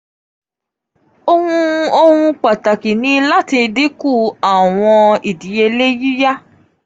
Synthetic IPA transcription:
o˧hũ˧o˧hũ˧k͡pa˨ta˨ki˨nĩ˦la˦ti˧di˦ku˦˨a˨w̃ɔ̃˧i˨di˨˦je˧le˦ji˦ja˦

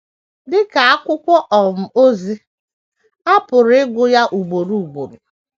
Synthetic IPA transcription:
dɪ˦ka˨a˦kʷʊ˦kʷɔ˦ʔɔ˨m̩˨o˦zi˦ | a˦pʊ˨ɾɪ˦ɡʷʊ˦ja˦ʔu˨ɡ͡bo˨ɾu˦u˨ɡ͡bo˨ɾu˨

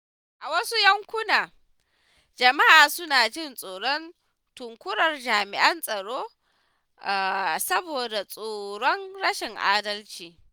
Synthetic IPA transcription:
ʔa˨wɐ˦su˦jɐ˦ŋkʷʊ˦naː˨ | d͡ʒɐ˨ma˦ʔaː˨sʊ˦naː˨d͡ʒɪ˦˨nsʼoː˨ɽɔ˦n | tʊ˨ŋkʷʊ˦ɽɐ˨rd͡ʒaː˨mɪ˨ʔɐ˦nsʼɐ˨ɽoː˦ | ʔa˨sɐ˦boː˨da˨sʼoː˨ɽɔ˦nɽɐ˦ʃɪ˨ŋʔa̰ː˦dɐ˦lt͡ʃiː˨

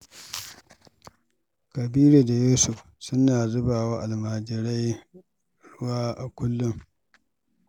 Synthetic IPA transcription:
kɐ˨biː˦ɾe˨da˨juː˦sʊ˨ɸ | sʊ˦naː˨zʊ˦baː˨waː˦ʔa˨lmaː˨d͡ʒɪ˨ɾa˦j | ɽʊ˦waː˦ʔa˨kʷʊ˦lːʊ˦ŋ

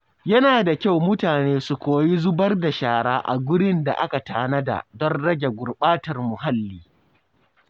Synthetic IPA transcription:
jɐ˦naː˨da˨kʲa˦˨wmʊ˦taː˨neː˦su˨kʷoː˨ji˦zʊ˦bɐ˦rda˨ʃaː˨ɽaː˦ʔa̰˨ɡʷʊ˦ɽɪ˦nda̰˨ʔa˦ka˨taː˨nɐ˦da̰˨dɔ˦nɽɐ˦ɡʲe˨ɡʷʊ˨rɓaː˦tɐ˨rmʊ˨ɦa˦lːiː˦

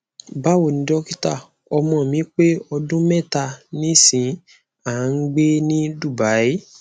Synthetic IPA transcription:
ba˦wo˦˨nĩ˨˧˦dɔ˦ki˦ta˦˨ | ɔ˧mɔ̃˧˨mĩ˨˦k͡pe˦ɔ˧dũ˦mɛ̃˦˨ta˧nĩ˦sĩ˨˦ | a˨˦ŋ̩˦ɡ͡be˦nĩ˦du˦˨ba˨˦e˦

